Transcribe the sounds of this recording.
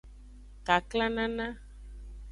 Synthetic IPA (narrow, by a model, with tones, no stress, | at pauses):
ka˨kla˦nã˦nã˦